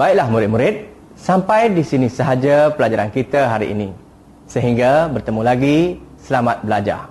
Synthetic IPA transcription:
baɪʔlahmũɾɪt̪̚mũɾɪt̪̚ | sampajdisinisəɦad͡ʒapəlad͡ʒaɾankit̪aɦaɾḭʔḭnĩ | səɦiŋɡabərt̪əmũlaɡisəlamat̪̚bəlad͡ʒa̰

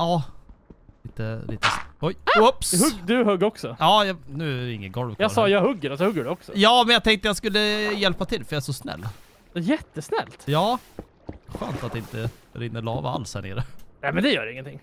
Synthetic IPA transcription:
ɑː | liːt̪əlḭːt̪əɔjɔpshɵɡd̪ɵhœɡɔksɔɑːjɑnʉ̟ːɪŋːənɡɔlvkʰjɑsɑːjɑɡhɵɡːəɾɛsɔhɵɡːəɖʉɔksɔ̰jɑːmɛnjat̪ʰɛŋkt̪əjaskɵlːəjɛlpat̪ʰɪlːfœɾjaɛʂɔsnɛ̰lː | ɔjɛt̪ːəsnɛlt̪jɑː | ɧø̰ːnt̪at̪̚ɪnt̪ə | ɾɪnːəɭɑːva̰a̰lshæɳḛːɾənɛmɛnd̪ɛjœːɾɪŋːənt̪ʰɪŋː

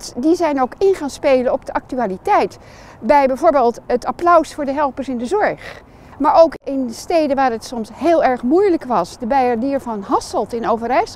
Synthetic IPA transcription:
tdizɛjnowkɪnχaːnspejlənɔb̚dəʔɑk̚tyaːlitɛjt | bɛjbɛjvoːɹbeːlˠtətaplœwsfʊːɹdəɦɛlˠpəɹsɪndəzɔɹχ | maːɹowkɪnstejdənʋaːɹətsɔmsɦeːlˠɛɹχmujləkʋɑsdəbejaɹdiːɹvɑnɦɑsəlˠtɪnowvəɾɛjs

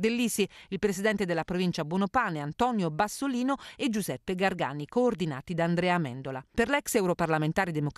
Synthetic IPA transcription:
d̪elːisiilpɾesid̪ɛnt̪ed̪elːapɾovint͡ʃabwɔnopaːneant̪ɔnjobasːoliːnoed͡ʒːuzɛpːeɡarɡa̰ːnikoːrd̪ina̰ːt̪id̪aːnd̪ɾɛːamɛ̰nd̪olaperlɛksɛwɾoparlament̪aːɾid̪emok

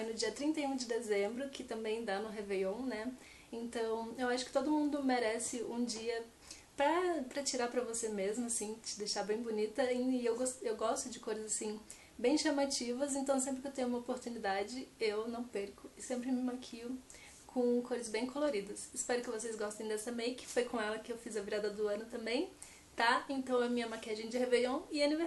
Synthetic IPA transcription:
j̃nʊd͡ʒiɐt̪ɾĩnt̪ɐjũd͡ʒɪd̪ezẽmbɾʊkɪt̪ɐ̃mbẽj̃d̪anʊɦevejõw̃nɛ | ẽnt̪ɐ̃w̃ewaʃʊkɪ̥t̪od̪ʊmũnd̪ʊmeɾɛsɪũd͡ʒiɐ | pɾɐpɾɐt͡ʃiɾaɾpɾɐvosemezmʊasĩt͡ʃɪd̪eʃabẽj̃bonit̪ɐẽɪewɡost̪ewɡɔst̪ʊd͡ʒɪkojzɐzasĩ | bẽj̃ʃɐmat͡ʃivɐz̬ẽnt̪ɐ̃w̃s̬ẽpɾɪkewt̪ẽjʊ̃ũmɐopoɾt̪unid̪ad͡ʒɪewnɐ̃w̃peɾkʊɪsẽmpɾɪmɪmakʰiʊ | kʰõkʰojzɐzbẽj̃kʰoloɾid̪ɐsɪspɛɾʊkɪvosejzɡɔst̪ẽj̃d̪ɛsɐmejkɪ̥fojkʰõɛlɐkɪewfizɐviɾad̪ɐd̪ʊɐ̃nʊt̪ɐ̃mbẽj̃ | t̪aẽnt̪ɐ̃w̃ɛmĩɲɐmakɛd͡ʒẽd͡ʒɪheveʎɐ̃w̃ɪɐnive

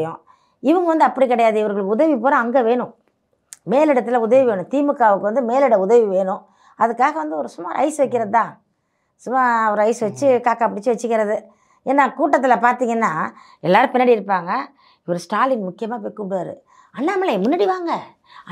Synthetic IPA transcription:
jʊ̰̃ | ɪʋɯŋɡɐʋɐnd̪ɯɐpːɐɽikɪɽɐjaːðɯɪʋɐɾɣɐɭɯkːɯʊðɐʋipoːɾɐ̃ɐŋɡɐʋeːɳʊ̃ | meːlɪɽɐt̪ːɪlɐʊðɐʋiʋeːɳʊ̃t̪iːmɯkːaːʋɯkːɯʋɐnd̪ɯmeːlɪɽɐʊðɐʋiʋeːɳʊ̃ | ɐðɯkːaːɣɐʋɐnd̪ɯɔɾɯsʊmːa̰ːɾɐ̰ɪsɯʋɐkːɪɾɐðɯt̪ãː | sʊmːaːɐɐɾɯɐɪsɯʋɐt͡ʃːɯkaːkaːpɐɽɪt͡ʃːɯʋɐt͡ʃːɯkːɪɾɐðɯ | eːnːaːkuːʈːɐt̪̬ːɪlɐpaːɾt̪iːŋɡɐnːaː | ɛlːaːɾɯpɪnːɐɽiɪɾɯpːaːŋɡɐ | ɪʋɐɾɯsʈaːlɪnmʊkːɪjɐmaːp̬ojkːɯmɽjaːɾɯ̰ | ɐnːaːmːɐlɐmʊnːɐːɽiʋaːŋɡɐ

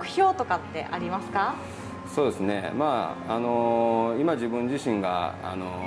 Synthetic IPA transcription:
kɯ̟̥çʲo̞ːt̪o̞kat̪ːe̞̰ʔaɾʲimasɨ̥ka | so̞ːd̪e̞sɨne̞maano̞imad͡ʑibɯ̟̃ɲ̟d͡ʑiɕĩŋɡa̰a̰no

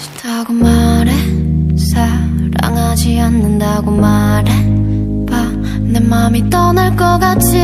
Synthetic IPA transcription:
taɡomaɾesa | ɾa̰ŋad͡ʑianːɯndaɡomaɾe | pa | nemamit͈ʌnaɭk͈ʌkat͡ɕʰi

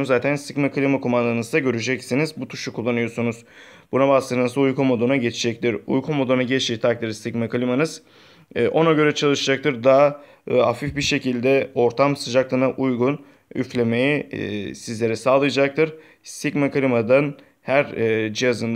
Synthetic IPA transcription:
zaːt̪ʰænst̪ikmakɯlʲimakumand̪anɯzd̪aɟø̞ɾyd͡ʒɛcsinizbut̪ʰu̥ʃukʰːulˠːanɯjo̞sunuz̥ | bunabaslˠɯnɯɯzujkʰumo̞d̪onaɟe̞t͡ʃʰid͡ʒɛc̚t̪ʰiɾṵjkʰumo̞d̪onaɟet͡ʃiːt̪ʰak̚t̪ɯɾst̪ikmakɯlʲimanɯz̥ | ʔo̞naɟø̞ɾɛt͡ʃʰalˠɯʃɯd͡ʒak̚t̪ʰɯɾd̪aa | afifbiɾʃe̞cilʲd̪ɛo̞ɾt̪ʰamsɯd͡ʒaklˠɯnaʔujɡun | yflʲe̞me̞jisizlʲe̞ɾɛsaːlˠɯjɯd͡ʒak̚t̪ʰɯɾ | st̪icmakɯlʲimad̪an | hæɾd͡ʒijazɯnd̪

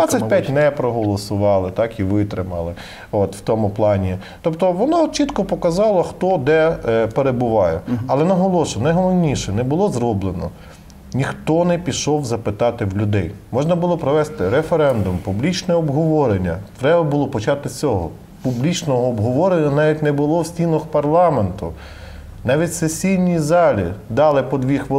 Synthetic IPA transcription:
at͡sʲːɐtʲpʲjatʲnɛpɾɔɦɔlˠɔsʊʋɑlˠɪt̪ɑkiʋɪt̪ɾɪmɐlˠɪ | ot̪w̥t̪ɔmʊplˠɑnʲi | t̪ɔpt̪ɔʋɔnat͡ʃit̪kɔpɔkɐzɑlˠɔxt̪ɔd̪ɛpeɾebʊʋɑjɛɐlˠɛnɐɦɔlˠɔʃʊnɐjɦɔmɔwnʲiʃɛnɛbʊlˠɔzɾɔblˠenɔ̰ | nʲixt̪ɔnɛpʲiʃɔwzɐpɪt̪ɑt̪ɪwlʲʊd̪ɛjmɔʒnɐbʊlˠɔpɾɔʋɛst̪ɪɾefeɾɛnd̪ʊmpublʲit͡ʃnɛɔbɦɔʋɔɾenʲːɐ̰t̪ɾɛbɐbʊlˠɔpɔt͡ʃɑt̪ɪt͡sʲɔɦɔ̰ | publʲit͡ʃnɔɦɔːbɦɔʋɔɾenʲːɐnɑʋʲitʲnɛbʊlˠɔwsʲtʲinɔxpɐrlˠɑment̪ʊ | nɑʋʲitʲsesʲijnʲizɑlʲḭd̪ɑlˠɪpɔd̪ʋʲixʋ

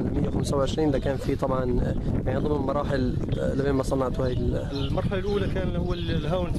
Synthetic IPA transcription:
mɪjːawxamsawʕɪʃɾiːnd̪akæːnfit̪ˤɑbʕɑnjaʕnid̪ˤɨmːɪlmɑɾˤɑːħɪl | lɪbeːnmasˤɑnːɑʕt̪whaːjɪl | lmɑɾˤħalʔuːlakæːnhʊwːallɦaːwn

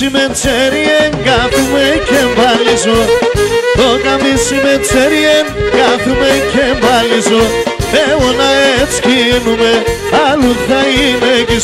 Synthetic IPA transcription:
imɛnt͡sɛɾiɛŋɡaθumɛkʰɛmbalizo | ðokamisimɛnt͡sʰɛɾiɛnɡaθumɛkʰɛmbalizoɛwɔnaɛt͡skinumɛ | aluθaimɛki

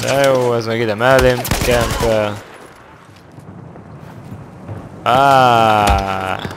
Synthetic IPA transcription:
ajoːɛzmɛɡid̪ɛmɛlemkɛnt̪ɛ | aː

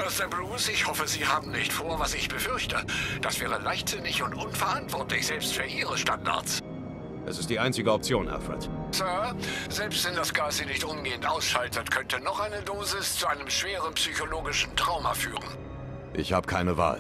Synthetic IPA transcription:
ʔasdəbʁuːsɪçhɔfəziːhaːbm̩nɪçtfoːɐvasɪçb̥əfʏɐçtəd̥asv̥ɛːʁ̞əlaɪçtz̥ɪnɪçʊntʔʊnfɛɐʔantv̥ɔɐtlɪçz̥ɛlpstfyːɐʔiːʁəʃtanda̰ɐ̰s | ʔɛ̰sɪstd̥iːʔaɪnt͡sɪɡəɔp̚t͡sjoːnʔa̰fʁɛ̰tsœɐzɛlpstvɛndasɡ̥aːzinɪçtʔʊmɡeːəntʔaʊsʃaltətkʰœntənɔχʔaɪnədoːzɪst͡suʔaɪnəmʃv̥eːʁ̞ənpsyçoloːɡɪʃn̩tʁ̥aʊmɐfyːʁ̞ən | ʔɪ̰çhaːbəkʰaɪnəva̰ːl

